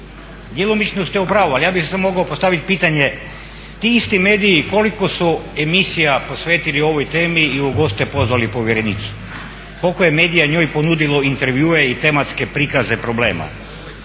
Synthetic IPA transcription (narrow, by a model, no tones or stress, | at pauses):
d̪jelˠomit͡ʃnost̪eupɾaːʋoalijaːbissemoɡaopo̞st̪aʋit̪piːt̪aɲe̞ | t̪iist̪imeːd̪iːko̞liko̞suemisijapo̞sʋeːt̪ilio̞ʋojt̪e̞ːmiːoɡo̞st̪epo̞zʋalipo̞ʋjeɾenit̪su̥ | kolkojeme̞ːd̪ijaɲo̞ːjpo̞nud̪iloint̪eɾʋjuːeit̪e̞mat̪ske̞pɾikazepɾo̞ble̞ːma̰